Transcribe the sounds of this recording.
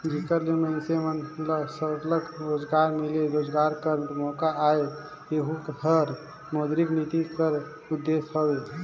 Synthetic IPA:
d͡ʒikəɾlimənsemənləsəɾləkɾod͡ʒɡaɾmeleɾod͡ʒɡaɾkəɾmɔkaae | eɦukɦəɾ | mod̪ɾiknit̪ikəɾ | ud̪ːesɦəbe

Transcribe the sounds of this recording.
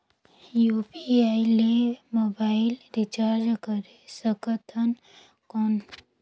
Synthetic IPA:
juːpiaːilemoːbaːɪlɾit͡ʃaːɾd͡ʒkəɾesəkət̪ʰən | kɔn

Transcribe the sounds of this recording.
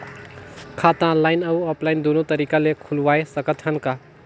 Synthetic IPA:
kʰaːt̪ãlːaːɪnɐuɔːplaːɪnd̪oːnõt̪əɾiːkalekʰʊlʋaːesəkət̪ɦənka

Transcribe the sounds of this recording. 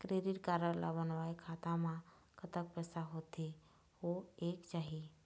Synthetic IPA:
kɾeɾiʈkaɾəɾla̰bənʋajkʰat̪amã | kʰət̪ək̚pɛsaɦot̪ʰe | ɦoekt͡ʃaɦi

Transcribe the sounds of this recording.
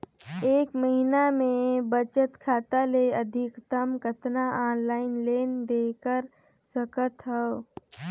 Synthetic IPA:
eːkməɦinamẽbət͡ʃət̪kʰaːt̪aleəd̪ʱɪkt̪əmkət̪naʔaːnlaːɪnleːnd̪eːkəɾ | səkət̪ɦə

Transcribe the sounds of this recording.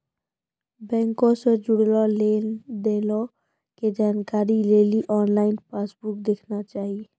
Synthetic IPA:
bɛ̃ːŋkõsẽd͡ʒʊɽlɔleːnd̪elo | ked͡ʒaːnkaːɾileːliʔɔːnlaːɪnpaːsbuk̚d̪ekʰnat͡ʃaːɦi

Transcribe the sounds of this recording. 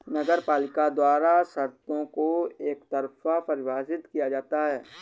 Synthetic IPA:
nɐɡəɾpaːlɪkad̪waːɾasɐɾt̪õkoeːkt̪ɐɾfapɐɾɪʋaːsɪt̪kijad͡ʒaːt̪aɦɛː

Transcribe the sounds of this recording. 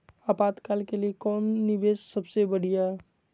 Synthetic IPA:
aːpaːt̪kaːlkeliekɔːnnɪbeːssəbsebəɽ̤ija

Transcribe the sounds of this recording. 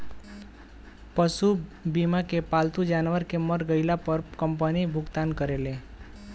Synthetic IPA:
pəsubimakepalt̪ud͡ʒanʋəɾkeməɾɡəɪlapəɾkəmpənibʱʊɡt̪ankəɾelẽ

